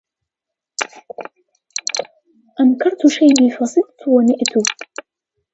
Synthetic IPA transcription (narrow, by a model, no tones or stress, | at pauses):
ʔamkɑɾˤt̪ʃajbiːfasˤɨd̪̚t̪wanɪʔt̪ʊ